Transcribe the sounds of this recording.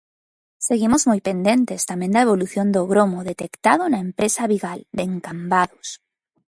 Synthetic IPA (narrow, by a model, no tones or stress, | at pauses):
seɣimozmojpend̪ẽnt̪est̪amend̪aeβ̞oluθjond̪oɣɾomoðet̪ekt̪að̞onaempɾesaβiɣald̪eŋkambaðos